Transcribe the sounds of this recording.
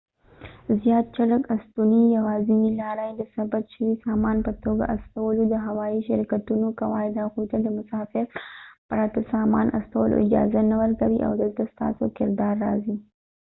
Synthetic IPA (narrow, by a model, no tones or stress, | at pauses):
zjɑːt̪̚t͡ʃaɽəkast̪unijawɑːzinilɑɾajed̪əsabaʃəwisɑmɑnpət̪oɡa̰ʔast̪awəlod̪əɦawɑiʃɪɾkat̪unokawɑid̪aɣujt̪ad̪əmʊsɑːfɪɾpəɾat̪asɑmɑ̰nʔa̰st̪awəlʔo̰ʔɪd͡ʒɑ̰zanawəɾkawiʔa̰wd̪əlt̪ast̪ɑ̰sokɪɾd̪ɑɾːɑ̰zi